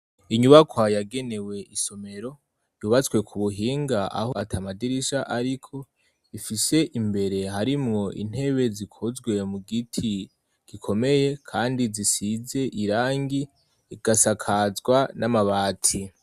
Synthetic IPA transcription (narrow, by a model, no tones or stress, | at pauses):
iɲuβakwajaɡe̞ne̞we̞ʔiso̞me̞ɾo̞ | juːβat͡swe̞kʰuβuɦiːŋɡaʔa̰hoatʰamadiɾiʃaʔaɾikʰo̞ | ifise̞ʔimbe̞ɾe̞ɦaɾimŋo̞ʔḭn̥he̞βe̞zikʰozɡwe̞muɡitʰi | ɡ̥ikʰo̞me̞je̞kʰaːndizisize̞ʔiɾaːŋɡi | iɡ̥asakʰazɡwanamaβaːtʰi